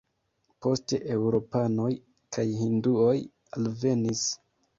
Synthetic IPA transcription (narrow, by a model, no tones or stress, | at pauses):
po̞ste̞ʔewɾo̞pano̞j | kʰajɦinduo̞j | alve̞nis